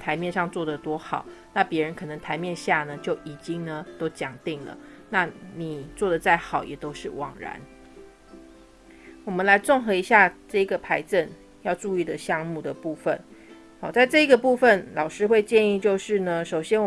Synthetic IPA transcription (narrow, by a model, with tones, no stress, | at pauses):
t̪ʰa˧˦ɪmjɛ˥˧nʂɑ˥˧ŋt͡swɔ˥˩d̪ə˩t̪wɔ˥xɑ˨˩˦ʊna˥˨pjɛ˧˥ɻə˧˦nkʰɤ˨˩nə˧˦ŋt̪ʰa˧˥ɪmjɛ˥˧nɕja˥˨nə˩t͡ɕjo˥˩ʊʔi˨˩t͡ɕi˦˥ŋnə˨t̪o˥ʊt͡ɕjɑ˨˩ŋt̪i˥˨˩ŋlə̰˩ | na˥˩ni˨˩t͡swɔ˥˩d̪ə˩t͡sa˥˩ɪxɑ˨˩ʊjʔɛ˨˩t̪o˥ʊʂɻ̩˥˩wɑ̰˨˩ŋɻa̰˧˦n | wɔ˨˩mə˦nla˧˦ɪt͡sɔ˥˩ŋxɤ˧˥i˧˥ɕja˥˧ʈ͡ʂɤ˥˩i˧˥ɡə˨pʰa˧˥ɪt͡sə˥˨n | jɑ˥˧ʊʈ͡ʂu˥˧i˥˩d̪ə˩ɕjɑ˥˧ŋmu˥˩d̪ə˩pu˥˩fə̰˨˩n | hɔ˨˩t͡sa˥˧ɪʈ͡ʂɤ˥˧i˧˥ɡə˨pu˥˧fə˨nlɑ˨˩ʊʂɻ̩˥xwe˥˧ɪt͡ɕjɛ˥˧ni˥˧t͡ɕjo˥˧ʊʂɻ̩˥˩nə˩ʂo˨˩ʊɕjɛ˥n˨˩